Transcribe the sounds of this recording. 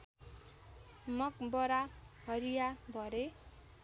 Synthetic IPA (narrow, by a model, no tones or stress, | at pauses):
mʌkbʌɾa | ʌɾijabʱʌɾe